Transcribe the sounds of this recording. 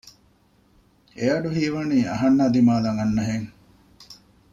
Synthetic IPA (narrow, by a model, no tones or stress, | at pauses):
eɐɖuɦiːʋɐniːɐ̰ɦɐnːaːd̪imaːlɐŋɐnːɐɦeŋ